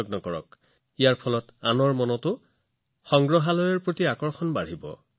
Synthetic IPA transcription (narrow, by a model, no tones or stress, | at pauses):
ɔɡnɔkɔɹɔ̰k | ijaɹpʰɔlɔtanɔɹmɔnɔtʊ | xɔŋɡɹɔɦalɔjɔɹpɹotiakɔɹxɔnbaɹibɔ̰